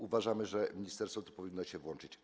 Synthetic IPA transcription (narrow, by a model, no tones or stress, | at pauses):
uvaʐamɘʐɛmʲiɲist̪ɛɾsfɔt̪u̥pɔvʲinːɔɕɛvwɔnt͡ʂɘt͡ɕ